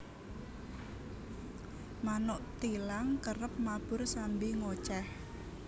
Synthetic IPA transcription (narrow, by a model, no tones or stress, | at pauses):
manʊʔt̪ilaŋkərəp̚mab̥ʊrsambiŋot͡ʃɛh